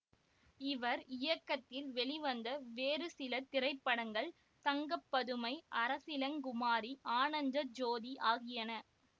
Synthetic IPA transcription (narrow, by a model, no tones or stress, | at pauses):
ɪʋɐɾɪjɐkːɐt̪ːɪlʋɛɭɪʋɐnd̪ɐʋeːɾɯsɪlɐt̪ːɪɾɐɪpːɐɽɐŋɡɐɭ | t̪ɐŋɡɐpːɐðɯmɐɪʔɐɾɐsɪlɐŋkʊmaːɾiaːnɐnd̪ɐd͡ʒoːðiʔaːɣɪjɐnɐ